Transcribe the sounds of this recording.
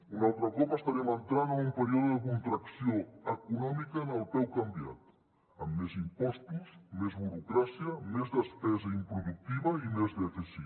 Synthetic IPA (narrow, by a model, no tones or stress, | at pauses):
unalˠt̪ɾəkɔpəst̪aɾɛmənt̪ɾanaumpəɾioðəðəkunt̪ɾaksioəkunɔmikənəlˠpɛwkambia̰t̪ | əmːezimpɔst̪usmezβuɾukɾasiəmezðəspɛzəimpɾuðuk̚t̪iβəimezðəfisi